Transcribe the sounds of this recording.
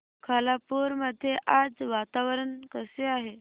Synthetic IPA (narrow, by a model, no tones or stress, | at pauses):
kʰaːlapuːɾməd̪ʱjeʔaːd͡ʒʋaːt̪aːʋəɾənkəseaːɦe